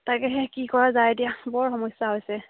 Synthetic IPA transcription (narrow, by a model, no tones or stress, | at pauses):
takɛɦɛkikɔɹazaedijabɔɹxɔmɔjsaɦojsɛ